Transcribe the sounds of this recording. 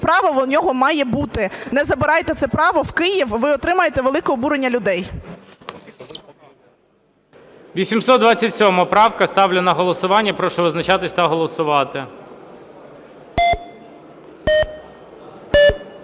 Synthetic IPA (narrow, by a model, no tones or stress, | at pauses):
pɾɑʋɐnʲɔɦɔmɑjɛbut̪ɪnɛzɐbɪɾɑjt̪ɛt̪sɛpɾɑʋɔwkɪjiwʋɪɔt̪ɾɪmɐjet̪ɛʋelˠɪkɔɔbuɾenʲːɐlʲʊd̪ɛj | ʋʲisʲimsɔd̪d̪ʋɑt͡sʲːɐtʲsʲɔmɐpɾɑwkɐst̪ɑwlʲenɐɦɔlˠɔsʊʋɑnʲːɐpɾɔʃɛʋɪznɐt͡ʃɑt̪ɪsʲt̪ɐɦɔlˠɔsʊʋɑt̪ɪ